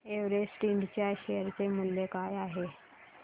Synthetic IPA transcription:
eʋɾesʈiɳɖt͡ɕjaɕejəɾt͡semulːekajaɦe

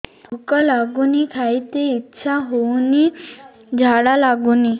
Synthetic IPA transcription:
t̪ʰokəlaɡunikʰait̪eitːɕʰaɦowni | d͡ʑʱaɽalaɡuni

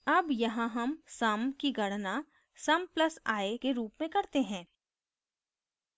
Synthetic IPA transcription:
ɐbjɐɦãɦɐmsɐmkiɡɐɽna | sɐmplɐsaːekeɾuːpmẽkɐɾt̪eɦɛ̃ː

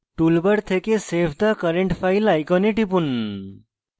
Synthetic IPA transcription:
ʈulbəɽt̪ʰekesepʰd̪akəɾeɳʈfʰajlajkɔneʈip̬un

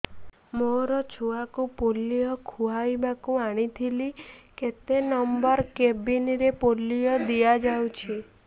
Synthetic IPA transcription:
moɾɔt͡ʃʰuakupolijɔkʰuajbakuaɽ̃it̪ʰiliket̪enɔmbɔɾkebiniɾepolːijɔd̪iad͡ʒawt͡ʃʰi

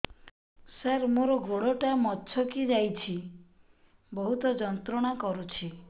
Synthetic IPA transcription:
saɾmoɾɔɡoɽɔʈamɔtːt͡ʃʰɔkid͡ʒajt͡ʃʰi | bɔɦut̪ɔd͡ʒɔnt̪ɾɔɽ̃akɔɾut͡ʃʰi

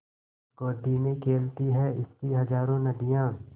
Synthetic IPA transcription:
koːd̪ʱinekʰeːlt̪iɦɛɪskiɦɐd͡ʒaːɾõnɐd̪ijãː

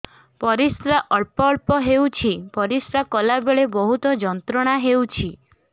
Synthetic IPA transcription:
pɔɾisɾaʔɔɭpɔɭpɔɦewt͡ʃʰipɔɾisɾakɔlabeɭebɔɦut̪ɔd͡ʒɔnt̪ɾɔɽ̃aɦewt͡ʃʰi

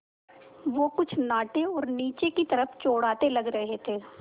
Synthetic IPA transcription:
ʋoːkʊt͡ʃʰnaːʈeɔːɾniːt͡ʃekit̪ɐɾəft͡ʃoːɽaːt̪elɐɡɾɐɦet̪ʰeː

